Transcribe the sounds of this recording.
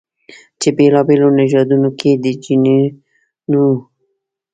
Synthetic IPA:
t͡ʃebelɑbelonɪʒɑd̪unokʰed̪ət͡ʃini | nu

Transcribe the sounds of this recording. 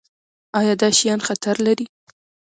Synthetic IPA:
ɑjɑd̪ɑʃijɑnxat̪aɾlaɾi

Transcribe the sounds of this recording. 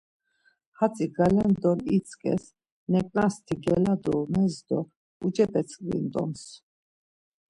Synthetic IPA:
hat͡sʼiɡalɛnd̪ɔnit͡sʼkʼɛ̰s | nɛkʼnast̪ʰiɡɛlad̪ɔmɛzd̪ɔ | ud͡ʒɛpʼɛt͡sʰʼlḭnd̪ɔ̰ms

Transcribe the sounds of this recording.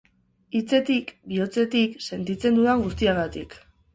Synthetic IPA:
it͡se̞t̪ikbio̞t͡se̞t̪ikse̞nt̪it͡se̞nd̪uðaŋɡust̪iaɣat̪ḭk

